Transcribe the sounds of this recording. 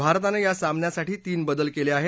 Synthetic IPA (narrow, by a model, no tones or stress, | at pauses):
bʱaɾt̪anejasamnjasaʈiːt̪iːnbəd̪əlkeleaɦe